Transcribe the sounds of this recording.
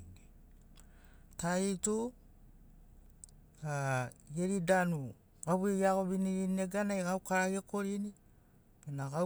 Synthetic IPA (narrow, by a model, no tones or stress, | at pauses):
i | taitu | ajeɾidanu | ɡaβuiɡiaɡo̞βiniɾinieɡanajɡawkaɾaɡeko̞ɾini | benaɡa